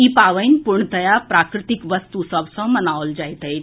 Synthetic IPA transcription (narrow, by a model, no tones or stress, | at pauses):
ipaʋəjnpuɾɳt̪əjapɾakɾɪt̪ikʋəst̪usəbsɔ̃mənaʋld͡ʑajt̪əj